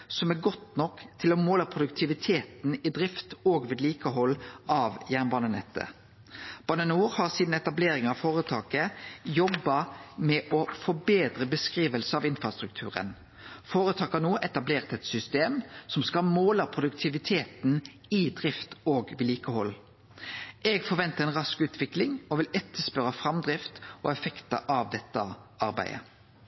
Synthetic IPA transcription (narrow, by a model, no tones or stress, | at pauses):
sɔmæɡɔt̪nɔkt̪ʰɪlɔmoːləpʰʁʊd̪ʉkt̪ʰɪʋɪt̪ʰeːt̪nɪd̪ʁɪft̪oːɡʋɪd̪liːkəɦɔlːʔɑːʋjæːʁnbɑːnənɛt̪ʰːə̰ | b̥ɑnənuːɾhɑʁsiːd̪n̩ɛt̪ɑbleːɾɪŋɑʋfoːʁət̪ʰɑːkəjɔbːɑmɛʔɔfɔbeːd̪ɾəbəskʁiːʋəlsəɑʋɪnfʁɑst̪ʁʉk̚t̪ʰʉːʁə̰n | foːɾət̪ʰɑːkɑnoːʔɛt̪ɑbleːʁt̪ɛt̪sʏst̪eːmsɔmskɑmoːlɑpʰʁʊd̪ʉkt̪ʰɪʋɪt̪ʰeːt̪n | ɪd̪ʁɪft̪oːɡʋɪliːkəhɔl | ɛɡfɔɾʋɛnt̪əʁɛnʁɑskʉːt̪ʰʋɪklɪŋɔʋɪlɛt̪ːəspœɾəfʁɑmd̪ɾɪft̪ɔ̰ɛfɛkt̪ə̰ʔɑʋd̪ɛt̪ːəʔɑɾbæ̰ɪə̰